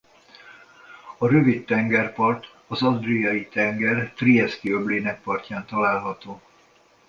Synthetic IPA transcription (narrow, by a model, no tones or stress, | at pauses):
ɒɾøvit̪ːɛŋɡɛrpɒrt̪ | ɒzɒd̪rijɒjit̪ɛŋɡɛrt̪rijɛskiøbleːnɛk̚pɒrcaːnt̪ɒlaːlɦɒt̪oː